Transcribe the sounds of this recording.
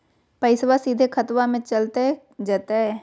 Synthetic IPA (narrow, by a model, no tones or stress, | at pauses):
pəɪswasiːd̪ʱekʰɐt̪wamẽt͡ʃɐlt̪e | d͡ʒaːt̪eɦɛː